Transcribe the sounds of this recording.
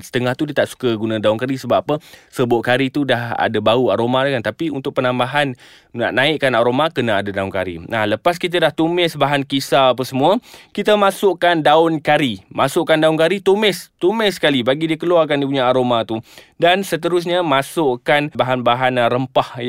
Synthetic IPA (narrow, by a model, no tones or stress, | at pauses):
sə̥t̪əŋaht̪udiət̪aʔsu̥kəɡunãdaʊnkaɾisəbapapəsəbʊʔkaɾit̪udaɦa̰dabauaɾomadakant̪apiunt̪ʊk̚pənãmbaɦan | na̰ʔnãɪʔkːanaɾomakənaadadaʊnka̰ɾḭnahləpas̬kit̪adaht̪umɛsbaɦankisaːp̬əsəmũəkit̪əmasʊʔkandaʊnkaɾimasʊʔkandaʊnkaɾit̪umɛst̪umɛskalibaɡidiəkəluakandip̬uɲaaɾomat̪u | dansət̪əɾʊs̬ɲəmãsʊʔkanbaɦanbaɦanɾəmpah